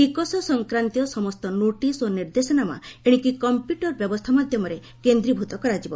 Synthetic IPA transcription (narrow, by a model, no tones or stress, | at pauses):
kikɔsɔsɔŋkɾant̪ijɔsɔmɔst̪ɔnoʈisoniɾd̪esɔnama̰eɽ̃ĩkikɔmpjuʈɔɾbjɔbɔst̪ʰamad̪ʱjɔmɔɾe | kend̪ɾibʱut̪ɔkɔɾad͡ʒibɔ